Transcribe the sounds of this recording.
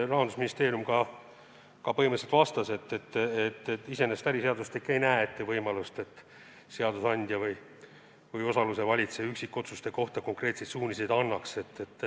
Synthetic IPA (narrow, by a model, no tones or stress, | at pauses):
rɑɦɑnd̪usminʲist̪e̞ːrijumkɑ | kɑpɤɦimeset̪vɑst̪ɑse̞t̪ːe̞t̪ːet̪ːet̪ːise̞ne̞st̪æɾise̞ɑd̪ust̪likːe̞jnæeet̪ːevɤjmɑlust̪e̞t̪ːˑ | se̞ɑd̪usɑnʲd̪̥ʲjɑvɯj | vɯjo̞sɑluse̞vɑlʲit̪seyksikːˑo̞t̪sust̪e̞ko̞ht̪ɑko̞ŋkre̞ːt̪se̞jd̪suːnʲisejd̪ɑnːɑkse̞t̪ːe̞t̪ː